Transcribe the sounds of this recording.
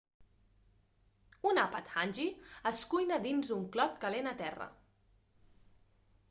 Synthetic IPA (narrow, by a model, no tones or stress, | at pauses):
unapət̪xanʲʒiəskujnəd̪inzuŋklɔt̪kəlenat̪ɛrə̰